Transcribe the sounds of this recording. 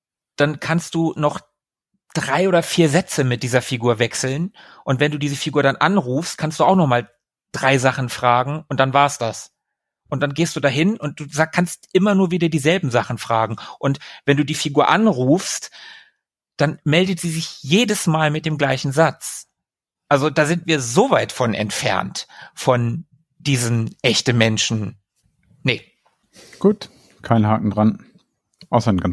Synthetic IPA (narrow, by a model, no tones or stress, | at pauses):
d̥ankʰanst̚d̥uːnɔχ | d̥ʁaɪʔoːdɐfiːɐzɛt͡səmɪt̚d̥iːzɐfiɡuːɐvɛksl̩n | ʔʊntv̥ɛnduːdiːzəfiɡuːɐɾanʔa̰nʁuːfstkʰanstd̥uːaʊxnɔχmaːl | d̥ʁaɪzaχn̩fʁ̥aːɡŋ̩ʔʊnt̚d̥anvaːɐsd̥as | ʔʊntd̥anɡeːstd̥uːdaɦɪnʊnt̚d̥uːzakʰanstʔɪmɐnuːɐviːdɐdiːzɛlbm̩zaχn̩fʁ̥aːɡŋ̩ʔʊntvɛnduːdiːfiɡuːɐʔanʁuːfst | d̥anmɛldətz̥iːzɪçjeːdəsmaːlmɪt̚d̥eːmɡlaɪçn̩zat͡s | ʔalzodaːzɪntv̥iːɐzoːvaɪtfɔnʔɛ̰ntfɛ̰ɐntfɔn | d̥iːzən̩ʔɛçtn̩mɛnʃn̩ | nə | ɡ̥uːt | kʰaɪnɦaːkŋ̩dʁan | ʔaʊsɐnɡan